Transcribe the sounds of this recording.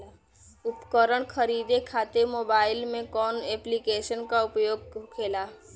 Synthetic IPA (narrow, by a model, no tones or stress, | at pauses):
ʊpkəɾəɽ̃kʰəɾiːd̪ekʰaːt̪emoːbaːɪlmẽkɔːnɛːplikeːʃənkaʊpjoːɡ̚kʰeːlaː